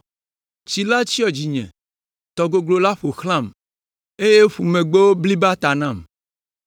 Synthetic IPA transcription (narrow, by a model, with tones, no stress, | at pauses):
t͡ʃi˨la˦t͡ɕi˦ɔ˨d͡ʑi˨ɲɛ̰̃˨ | t̪ɔ˨ɡo˨ɡlo˨la˦ɸo˨xlã˦˨m | e˦je˦ɸu˨mẽ˨ɡ͡be˦wo˦bli˦ba˦t̪a˨nã˦˨m